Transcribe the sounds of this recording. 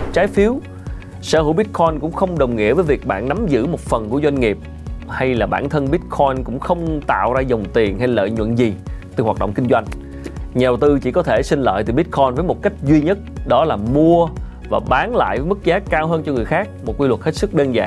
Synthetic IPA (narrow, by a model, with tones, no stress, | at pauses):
t͡ɕaː˨˦jfi˨˦əw | sə̰ː˧˩hṵ˧˩˦ɓi˦˥t̚kʰɔ˧jnkʊ̰˧˥ŋ͡mxə˧wŋ͡mɗə˨˩wŋ͡mŋḭ˧˨əvəː˨˦jvi˨˩ək̚ɓa̰ː˧˨nːa˨˦mzɨ̰˧˥mo˨˩t̚fə˨˩nku˧˩əzwa˧jŋ̟ŋi˨˩əp̚ | ha˧jlaː˨˩ɓaː˧˩nt̪ʰə˧nɓi˦˥t̚kʰɔ˧jnkʊ̰˧˥ŋ͡mxə˧wŋ͡mt̪a̰ː˧˨wzaː˧zə˨˩wŋ͡mt̪i˨˩ənɦa˧jlə̰ː˧˨jɲwə̰˧˨nzi˨˩t̪ɨ˨˩hwaː˨˩t̚ɗə̰˧˨ŋ͡mki˧ŋzwa˧jŋ̟ | ɲɛ˨˩wt̪ɨ˧t͡ɕi˧˩kɔ˨˦t̪ʰe˧˩sï˧ŋlə̰ː˧˨jt̪ɨ˨˩ɓi˦˥t̚kʰɔ˧jnvəː˨˦jmo˨˩t̚ka˦˥jk̟̚zwi˧ɲə˦˥t̚ɗɔ˨˦laː˨˩mu˧ə | vaː˨˩ɓaː˨˦nla̰ː˧˨jvəː˨˦jmɨ˦˥k̚zaː˨˦kaː˧wɦəː˧nt͡ɕɔ˧ŋɨ˨˩əjxaː˦˥k̚mo˨˩kwi˧wə˨˩t̚he˦˥t̚sɨ˦˥k̚ɗəː˧nza̰ː˧˨ŋ